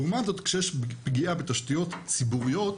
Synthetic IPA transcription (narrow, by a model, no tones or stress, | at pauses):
umazo̞t̪kʃejeɛʃpɡiʔabe̞t̪aʃt̪ijo̞t̪t͡sibuʁijo̞t̪